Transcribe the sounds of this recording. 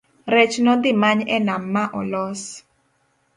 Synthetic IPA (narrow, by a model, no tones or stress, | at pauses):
ɾɛt͡ʃnɔd̪ɪmaɲɛnamːaʔɔlɔs